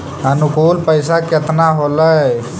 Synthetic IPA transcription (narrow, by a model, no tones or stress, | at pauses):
ənukuːlpəɪsaket̪naɦolə